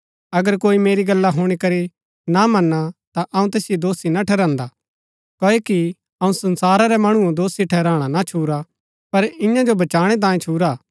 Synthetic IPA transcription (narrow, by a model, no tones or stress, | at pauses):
ɐɡəɾkoːimeːɾiɡɐlːaɦoːɽ̃ikɐɾi | namɐnːat̪aʔɐũt̪eːsɪjod̪oːsinaʈʰɛːɾãːnd̪a | koːeki | ɐũsɐnsaːɾaɾɛmɐɽ̃ʊ̃õd̪oːsiʈʰɛːɾãːɽ̃anat͡ʃʰuːɾa | pɐɾɪ̃jãd͡ʒobɐt͡ʃaːɽ̃ɛt̪̬ãːĩt͡ʃʰuːɾaː